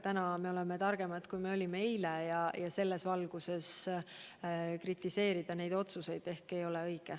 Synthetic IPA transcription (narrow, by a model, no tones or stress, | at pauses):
t̪ænɑme̞o̞le̞met̪ɑrɡ̥e̞mɑt̪kujme̞o̞lʲimeejlejɑjɑse̞lːe̞svɑlɡ̥use̞s | krit̪ːˑise̞ːɾid̪̥ɑne̞jd̪o̞t̪suse̞jd̪̥e̞hke̞jo̞le̞ɤjɡ̥e